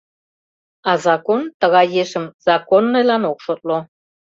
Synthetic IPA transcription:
ɑzɑkont̪əɣɑjeʃə̆mz̥ɑkonːɤjlɑnokʃot̪̚lo

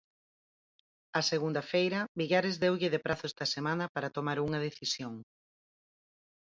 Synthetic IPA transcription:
ɐseɣund̪ɐfejɾɐbiʎaɾɪzðewʎɪðepɾʔaθʊest̪ɐsemãnɐpaɾɐt̪omaɾuŋɐð̞eθisjoŋ

